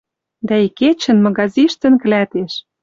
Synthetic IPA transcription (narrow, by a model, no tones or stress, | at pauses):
d̪æiket͡ɕə̆nmɑɣɑziʃt̪ə̆nk̆læt̪eʃ